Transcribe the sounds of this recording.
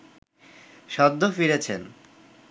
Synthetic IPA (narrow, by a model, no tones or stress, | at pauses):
ʃɔd̪ʱːofiɾet͡ɕʰen